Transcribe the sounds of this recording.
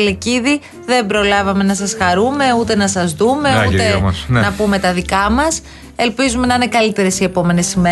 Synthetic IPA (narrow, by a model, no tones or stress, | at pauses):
leciði | ðe̞mbɾo̞lɐvɐme̞nɐsɐsxɐɾume̞ut̪e̞nɐsɐzðume̞ueɐsnnɐpume̞t̪ɐðikɐmɐs | e̞lpizume̞nɐine̞kɐlit̪e̞ɾe̞sie̞po̞me̞ne̞sime